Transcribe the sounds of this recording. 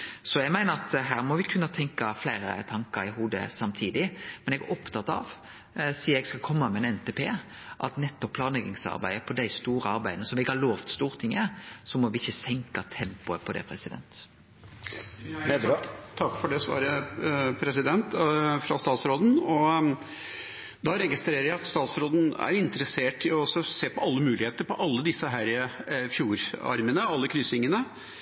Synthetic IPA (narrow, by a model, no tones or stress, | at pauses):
sɔjæɪmæɪnəɾɑt̪ɦæːɾmɔʋɪkʰʉnːɑt̪ʰɛŋkɑflæɪɾə̰t̪ʰɑŋkəɾɪɦuːd̪ə̰sɑmt̪ʰiːd̪ɪmɛnɛɡæ̰ɾʔɔpt̪ʰɑt̪ːɑ̰ʋ | siːɛɡskɑlkʰɔmːɑmɛɛnɛnt̪epʰeː | ʔɑt̪nɛt̪ːɔpʰlɑːnɛɡɪŋsɑ̰ɾbæ̰ɪəpʰɔd̪æɪst̪uːɾəɑɾbæɪd̪nəsɔmʋɪɪkːhɑɾloːʋt̪st̪uːʁt̪ʰɪŋəsɔmɔʋɪɪçːəsɛŋkɑt̪ʰɛmpʊəpʰɔd̪ɛ̰ːpʰɾɛsɪd̪ɛ̰nt̪ | t̪ʰɑkːfɔɖɛsʋɑ̰ːɾəpʰɾɛsɪd̪ɛnt̪fɾɑ̰st̪ɑːt̪sɾoːd̪n̩ɔ | d̪ɑɾɛɡɪst̪ɾeːɾəɾjæɪɑt̪st̪ɑːt̪sɾoːd̪n̩æ̰ɾɪnt̪əɾəseːʈɪɔɔsɔseːpʰɔɑlːəmʉːlɪheːt̪əɾpɔʔɑlːəd̪ɪsːəɦæːɾfjuːɾɑ̰ɾmənəɑlːəkʰɾʏsɪŋːənə